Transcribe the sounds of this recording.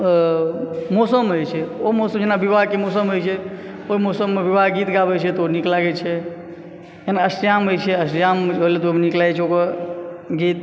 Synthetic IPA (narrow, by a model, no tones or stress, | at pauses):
mosəmɦojt͡ʃʰɛomosəmd͡ʒenabibʱaɦkemosəmɦojt͡ʃʰɛ | oɦimosəmːebibʱaɦɡit̪ɡabɛt͡ʃʰɛt̪ɔoniklaɡɛt͡ʃʰɛ | jenaəsjamɦojt͡ʃʰɛəsjamɦolet̪omniklajt͡ʃʰɛokə | ɡit̪̚